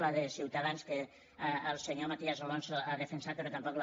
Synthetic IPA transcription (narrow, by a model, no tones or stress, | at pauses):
laðesiwt̪aðanske | əlˠseɲomat̪iazolonsoaðefensapeɾot̪ampɔkl